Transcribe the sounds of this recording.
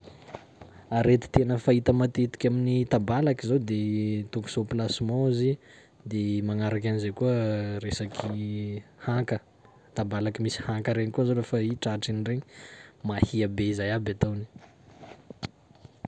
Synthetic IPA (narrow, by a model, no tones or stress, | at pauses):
aɾet̪i̥t̪enəfait̪əmat̪it̪i̥kʲaminit̪abalakizawd̪et̪uku̥soplasimoizi | d̪emaŋaɾak̬ʲanizajkuəresakʰihakə | t̪abalakimisi̥hakəɾeɲikuzolefaiʈ͡ʂaʈ͡ʂinireɲi̥mahiabeizajabʲat̪awni̥